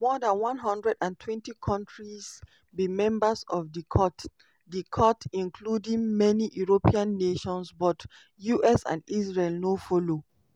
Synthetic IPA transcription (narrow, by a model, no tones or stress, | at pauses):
mɔðãnwɔ̃nɦʌ̃ndɹɛdãntʰwɛ̃ntikʰɔ̃ntɹiz | bimɛ̃mbəzɔvdikʰɔt | dikʰɔtĩnkʰludĩŋmɛniʔjuɹopiãnːeʃɔ̃nsbɔt | juʔɛsã̰ndisɹelnofɔlo